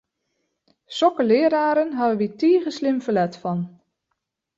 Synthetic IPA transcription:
sɔkəlɪəɾaːɾənɦɑvəʋitiːχəslɪmvəlɛtfɑn

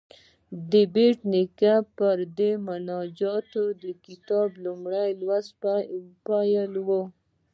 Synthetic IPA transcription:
d̪əbeʈnɪkapəɾd̪emʊnɑd͡ʒɑt̪od̪əkɪt̪ɑblumɽajlwaz | pɑjalwo

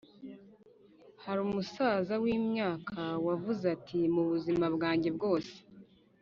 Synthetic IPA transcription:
haɾuːmusaːzawiːmɲaːkʰawavuzatʰimuβuzimabɡaːɲɟe̞bɡo̞ːse̥

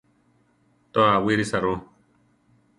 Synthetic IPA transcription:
t̪ɔawiɾisaɾõ

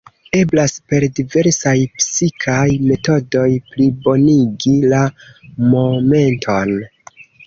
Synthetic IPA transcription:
e̞blaspe̞ɾdive̞ɾsajpsikʰajme̞to̞do̞jplibo̞niɡilamo̞me̞ntʰo̞n

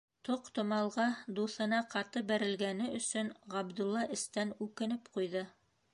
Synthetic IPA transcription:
t̪oqt̪ŏmɑlˠʁɑd̪uθɤ̆nɑqɑt̪ɤbæɾɘ̆lɡænɘɵ̆sɵnʁɑbd̪ulˠːɑʔɘ̆st̪ænʉkɘ̆nɘpqujðɤ

